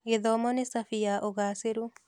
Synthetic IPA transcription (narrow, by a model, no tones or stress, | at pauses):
ɣeðɔmɔnesafiaʔoɣaːseɾu